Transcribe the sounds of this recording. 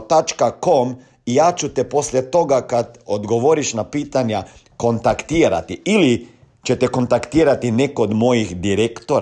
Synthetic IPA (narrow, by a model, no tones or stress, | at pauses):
t̪at͡ʃkakom | ijaːt͡ʃut̪epo̞slʲjet̪o̞ɡakad̪od̪ɡo̞ʋoɾiʃnapiːt̪aɲa | ko̞nt̪akt̪iːɾa̰t̪iili | t͡ʃet̪eko̞nt̪akt̪iːɾat̪ine̞kood̪mo̞jixd̪iɾekt̪oɾ